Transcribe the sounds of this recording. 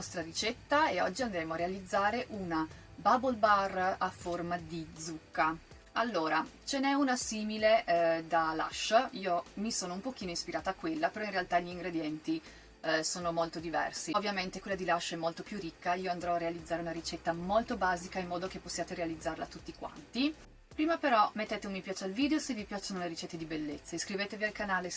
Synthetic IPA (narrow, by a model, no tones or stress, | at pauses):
ɔst̪ɾaɾit͡ʃɛt̪ːaeɔd͡ʒːiand̪ɾɛːmoarːealid̪zːaːɾeʔuna | babolbaraformad̪id̪zukːa | alːoːɾat͡ʃenɛunasiːmiled̪ala̰ʃːiːomisoːnoumpok̟iːnoispiɾaːt̪aːkːwelːapeɾɔinrealt̪aʎiŋɡɾed̪jɛnt̪i | soːnomolt̪od̪ivɛ̰rsiovːjament̪ekwelːad̪ilaʃːɛmːolt̪opjurikːaiːoand̪ɾɔarːealid̪zːaːɾeunaɾit͡ʃɛt̪ːamolt̪obaːzikaimːɔːd̪ok̟epːosːjaːt̪eɾealid̪zːaɾla̰t̪ut̪ːikwa̰nt̪i | pɾiːmapeɾɔmet̪ːeːt̪eumːipjaːt͡ʃealviːd̪eosevipjat͡ʃonoleɾit͡ʃɛt̪ːed̪ibelːet̪sːaiskɾiveːt̪evialkanaːle